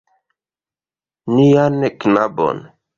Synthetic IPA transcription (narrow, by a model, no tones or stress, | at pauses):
nijaneknabo̰n